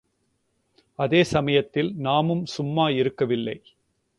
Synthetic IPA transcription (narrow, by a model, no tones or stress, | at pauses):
ɐðeːsɐmɐjɐt̪ːɪlnaːmɯmsʊmːaːɪɾɯkːɐʋɪlːɐɪ